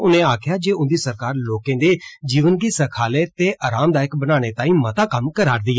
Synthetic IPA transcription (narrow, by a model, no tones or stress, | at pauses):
ʊnẽːaːkʰjaːd͡ʒeːʊnd̪iːsəɾkaːɾloːkẽːd̪eːd͡ʒiːʋənɡiːsəkʰaːleːt̪eːʔaːɾaːmd̪aːjɪəkbənaːɽ̃eːt̪ãːĩːmət̪ãːkəmkəɾaːɾd̪iː